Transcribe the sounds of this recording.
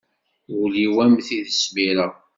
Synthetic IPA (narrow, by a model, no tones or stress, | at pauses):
uliwæmθiðəsmiɾa